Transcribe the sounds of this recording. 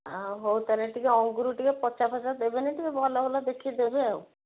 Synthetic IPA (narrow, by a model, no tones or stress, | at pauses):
aɦowt̪aɾeʈikeɔŋɡuɾuʈikepɔt͡ʃabʱasad̪ebeniʈ̪ikebɔlabɔlad̪ekʰid̪ebew